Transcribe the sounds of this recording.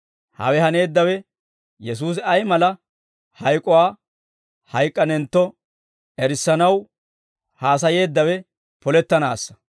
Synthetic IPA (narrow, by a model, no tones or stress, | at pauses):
hɐ̰wɛhɐne̞ːd̪ːɐwɛ | jɛs̬uːs̬ɪɐjmɐlɐ | hɐjkʼːɔwaː | hɐjkʼːɐnɛnt̪ːɔ | ɛɾɪsːɐnɐw | haːs̬ɐje̞ːd̪ːɐwɛ | pɔlɛt̪ːɐnaːsːɐ̥